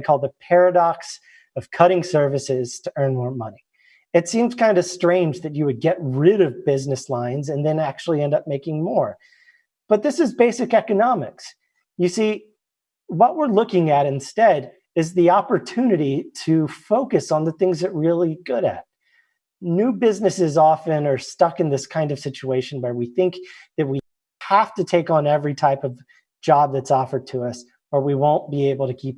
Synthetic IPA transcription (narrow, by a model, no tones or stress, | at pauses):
kʰɔlˠd̪̚ðəpʰɛɹɨɾɑks | ʌv̥kʰʌɾɪ̃ŋsɜ˞vɨsɪz̥tʰɨʔɜ̃˞nmɔɹmʌni | ɨtsĩmz̥kʰãɪ̃ndɨstɹ̥ẽɪ̃nd͡ʒðɨt͡ʃɨwɨd̚ɡɛt̚ɹɪɾʌvbɪznɨslãɪ̃nzɨ̃nðɨ̃næk̚t͡ʃʉl̩ˠiɛ̃ndʌp̚meɪkɪ̃ŋmɔɹ | b̥ʌt̪̚ðɪsɨzbeɪsɨkɛkɨnɑmɨ̰ks | jɨsi | wʌʔ̚wɪɹlʊkɪ̃ŋɨɾɨ̃nstɛɾ | ɨzðiɑpə˞tʰʉnɨɾiɾɨfoʊkɨsn̩ðɨθɪ̃ŋzðɨt̚ɹɪlˠiɡʊɾɨ̰t̚ | nʉbɪznɨsɨzɔfɨ̃nə˞stʌkɨ̃nðɪskʰãɪ̃ndʌv̥sɪt͡ʃueɪʃɨ̃n̩wə˞wiθɪ̃ŋkðɨt̚wi | hæftɨtʰeɪkn̩ɛvɹitʰaɪpʌv̥ | d͡ʒɑb̚ðɨtsɔfə˞d̚tʰəʌs | ə˞wiwõʊ̃nb̥ieɪbl̩ˠtɨkʰip̚